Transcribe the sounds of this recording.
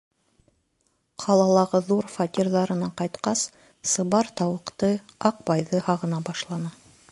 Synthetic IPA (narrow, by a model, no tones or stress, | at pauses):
qʰɑlˠɑlˠɑʁɤðuɾfat̪ʲirðɑɾɤ̆nɑqɑjt̪qɑsː | ɤ̆βɑɾt̪ɑwɤ̆qt̪ɤɑq̚bɑjðɤhɑʁɤ̆nɑbɑʃlˠɑnɑ